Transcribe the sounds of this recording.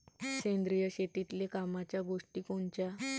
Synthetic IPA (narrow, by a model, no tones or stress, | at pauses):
ɕend̪ɾijəɕet̪it̪lekamat͡ɕjaɡoʂʈiːkoɳt͡ɕa